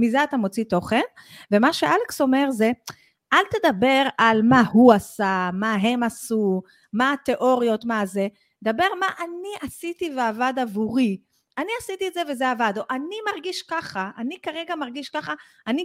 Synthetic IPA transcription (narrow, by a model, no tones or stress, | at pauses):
mizeat̪amo̞t͡sit̪o̞χe̞n | ve̞maʃeʔalekso̞me̞ʁze̞ | ʔalt̪e̞d̪abe̞ʁalmahuasamaɦe̞masu | maːt̪e̞ʔo̞ʁijo̞tmaze̞ | d̪abe̞ʁmaʔaniʔasit̪iveavad̪avuʁi | aniasit̪ietzevezeavad̪oʔanimaʁɡiʃkaχaʔanikaʁeɡamaʁɡiʃkaχa | ani